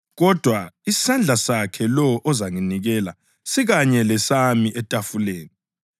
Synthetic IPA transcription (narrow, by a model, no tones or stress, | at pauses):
ɣɔd̥ʱwai̥sand͡ɮʱasakʰɛlɔʔɔzaŋiniɣɛla̰ | siɣaɲɛlɛsamiʔɛtʼafuleːni